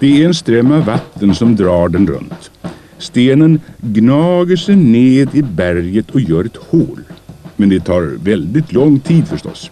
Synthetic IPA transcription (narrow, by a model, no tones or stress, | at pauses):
d̪̥ɛæɛnst̪ɾɛmːavat̪ːənsɔmd̪ɾɑːɖɛnɾɵ̰nt̪ | st̪eːnənɡnɑːɡəʂɛjneːd̪ɪbæɾjət̪ʰɔjœːɾɛt̪hoːlmɛnd̪ɛt̪ʰɑːɾvɛld̪ɪt̪ʰlɔŋt̪ʰiːd̪fœʂʈɔ̰s